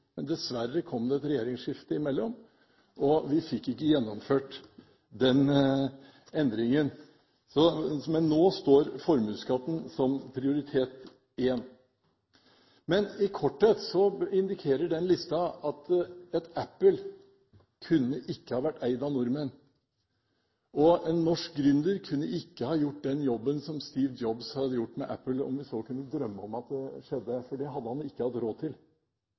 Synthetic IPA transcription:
mɛnd̪ɛsʋæɾːəkʰɔmd̪ɛɛt̪ɾɛjeːɾɪŋsʂɪft̪əɪmɛlːɔm | ɔʋɪfɪkːɪkːəjɛnːɔmføːʈ | d̪ɛn | ɛnd̪ɾɪŋən | sɔmɛnːoːst̪oːɾfɔɾmʉːskɑːp̪ənsɔmpʰɾɪʊɾɪt̪ʰeːt̪ | ɪjɛnː | mɛnɪkʰɔʈʰːɛt̪sɔɪnd̪ɪkʰeːɾəɖɛnlɪst̪ɑɑt̪ɛt̪æpːəl | kʰʉnːəʔɪkːəhɑːʋæʈːæɪd̪ɑnʊɾmən | ɔɛnːɔʂk̚ɡɾʏnd̪əɾkʰʉnːəʔɪkːəhɑːjʊʈ̚ːd̪ɛnjɔbːənsɔmst̪iːʋd̪d͡ʒɔbshɑd̪əjʊʈːmɛ̰ʔæpːəlɔ̰mʋɪsɔkʰʉnːəd̪ɾœmːəɔmɑt̪̚d̪ɛʂɛd̪ːəfɔɖɛɦɑd̪ːəhɑnɪkːəhɑt̪ːɾoːt̪ʰɪl

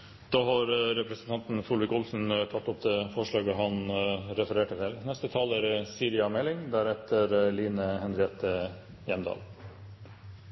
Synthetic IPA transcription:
d̪̥ɑːhɑɾɾɛpɾəsnt̪ʰɑnt̪n̩fʊlʋɪkʊlsn̩t̪ʰɑt̪ːɔp̚d̪ɛfɔʂɭɑːɡəɦɑnɾɛfəɾeːʈət̪ʰɪlnɛst̪ət̪ʰɑːlæɾsiːɾɪɑmɛlɪŋd̪æːɾɛt̪ʰəɾliːnəhɛnɾɪɛːt̪ə | jɛmd̪ɑ̰ːl

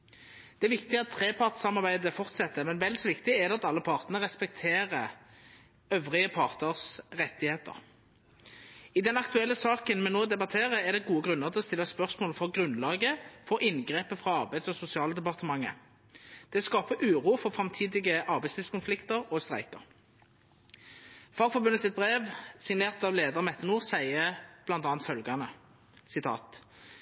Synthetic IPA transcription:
d̪̥ɛæʋɪkt̪ɪəɑt̪ʰːʁeːpʰɑʁt̪sɑmɑʁbæɪd̪əfɔʁt̪sɛt̪ːəmɛnʋɛld̪sɔʋɪkt̪ɪɛʁd̪ɛɑt̪ɑlːəpʰɑʁt̪nən̩əʁɛspɛk̚t̪ʰeːʁə | œʋʁɪəpʰɑʁt̪əʁsʁɛt̪ːɪheːt̪ə̰ʁ | ɪd̪ɛnɑkt̪ʉɛlːəsɑːkənmɛnoːd̪ɛbɑt̪ʰeːʁəɛʁd̪ɛɡuːəɡɾʁʉnːəʁt̪ʰɪɔst̪ɪlːɑspœʁsmoːlfɔʁɡʁʉnlɑːɡəfɔʔɪnɡʁeːpəfʁɑɑʁbæɪd̪sɔsʊsɪɑːləd̪ɛpɑʁt̪əmɑŋːə̰ | d̪̥ɛskɑːpəʔʉːʁuːfɔfʁɑmt̪ʰiːd̪ɪɡəʔɑʁbæɪslɪːʋskʊnflɪkt̪əʁɔst̪ʁæ̰ɪkə̰ʁ | fɑːɡfɔʁbʉnəsɪt̪̚bʁeːʋsɪŋneːʁt̪ɑʋleːd̪əʁmɛt̪ːənuːʁsæɪəb̥lɑnt̪ɑːnt̪fœlɡɑnə | sɪt̪ʰɑ̰ːt̪

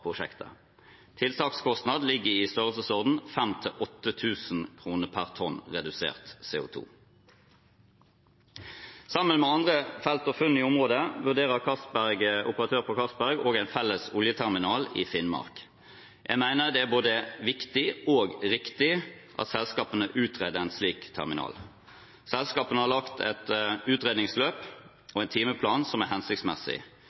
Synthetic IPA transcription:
pʰʁʊʃɛ̰kt̪ə̰ | t̪ʰɪlt̪ʰɑːkskʰɔst̪nɑd̪lɪɡːəɪst̪œʁəlsəsɔʁd̪n̩fɛmt̪ʰɪlʔɔt̪ːət̪ʰʉːsn̩kʰʁuːnəpʰæʁt̪ʰɔnʁɛd̪ʉsḛːʁt̪sḛːʊ̰t̪ʰṵː | sɑmːənmɛɑnd̪ʁəfɛlt̪ɔfʉnːɪːʊmʁoːd̪əʋʉʁd̪eːʁəʁkʰɑsbæʁɡʔʊpəʁɑt̪ʰøːʁpʰɔkʰɑsbæʁɡoːɡæɪnfɛlːəsʊljət̪ʰæʁmɪnɑːlɪ̰fɪnmɑ̰ʁk | jʔæ̰ɪmæɪnəʁd̪ɛæːʁboːd̪əʋɪkt̪ɪoːɡʁɪkt̪ɪʔɑ̰t̪sɛlskɑːpənəʔʉːt̪ʰʁeːd̪əæɪnsliːkt̪ʰæ̰ʁmɪnɑ̰ːl | sɛlskɑːpənəhɑʁlɑkt̪ʰɛt̪ʉːt̪ʁeːd̪nɪŋsløːp | ɔɛɪnt̪ʰiːməpʰlɑːnsɔmæhɛnsɪkt̪smɛ̰sɪ̰

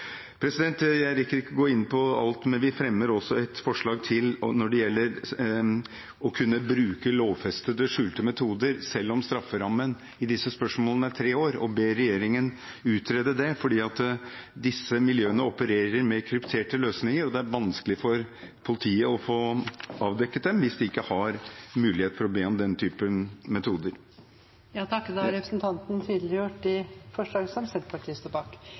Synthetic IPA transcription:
pʰɾɛsɪd̪ɛnt̪jæɪɾɪkːəɾɪkːəɡoːɪnːpʰɔɑ̰lt̪mɛnʋɪfɾɛmːəɾɔsːɔɛt̪fɔʂɭɑːɡt̪ʰɪlnɔɖɛjɛlːəɾ | ɔkʰʉnːəbɾʉːkəloːʋfɛst̪əd̪əʂʉːlt̪əmɛt̪ʰuːd̪əɾsɛlːɔmst̪ɾɑfːəɾɑmːən | ɪd̪ɪsːəspœʂmoːlənəæt̪ʰɾeːoːɾɔ̰beːɾɛjeːɾɪŋən | ʉːt̪ɾeːd̪əd̪ɛfɔɖiːɑt̪d̪ɪsːəmɪljøːənəɔpəɾeːɾəɾmɛkʰɾʉpt̪ʰeːʈəløːsnɪŋəɾɔd̪ɛæɾʋɑnskəlɪfɔɾ | pʰʊlɪt̪ʰiːəɔfoːɑːʋd̪ɛkːət̪̚d̪ɛmʋɪsd̪ɛɪkːəhɑɾmʉːlɪheːt̪fɔɾɔb̪eːmd̪ɛnt̪ʰyːpəmɛt̪ʰuːd̪əɾ | jɑːt̪ʰɑkːd̪ɛhɑɾɛpɾəsnt̪ʰɑnt̪n̩t̪ʰiːd̪lɪɾəjʊʈːɪfɔʂlɑːɡəsɔmsɛt̪pʰɑʈʰiːst̪ɔpɑk

